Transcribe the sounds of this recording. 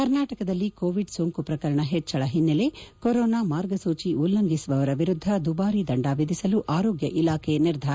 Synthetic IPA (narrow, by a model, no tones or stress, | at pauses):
kɐɾnaːʈɐkɐd̪ɐlːikoːʋiɖsoŋkupɾɐkɐɾɐɳɐɦɛt͡ʃːɐɭɐɦinːɐlekoɾoːnaːmaːɾɡɐsuːt͡ʃiʔulːɐŋɡisuʋɐʋɐɾɐʋiɾud̪ʱːɐd̪ubaːɾid̪ɐɳɖaːʋid̪ʱisɐluʔaːɾoːɡjɐʔilaːkʰeɐniɾd̪ʱaːɾɐ